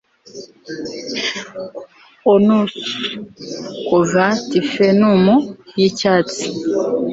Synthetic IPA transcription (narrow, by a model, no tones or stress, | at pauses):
onus | kovatifenumujicaːt͡si̥